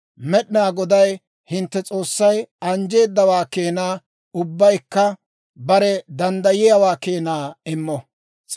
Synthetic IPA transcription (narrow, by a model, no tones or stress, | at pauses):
mɛɗɪnaːɡɔd̪ɐj | hɪnt̪ːɛt͡sʼo̞ːsːɐjɐnd͡ʒe̞ːd̪ːɐwaːkeːnaː | ʊbːɐjkːɐ | bɐɾɛd̪ɐnd̪ɐjɪjawaːkeːnaːɪmːɔ